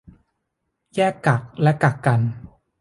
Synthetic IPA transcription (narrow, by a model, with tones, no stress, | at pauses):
jɛː˥˩kːa˨˩k̚lɛ˦˥ka˨˩kːa˧n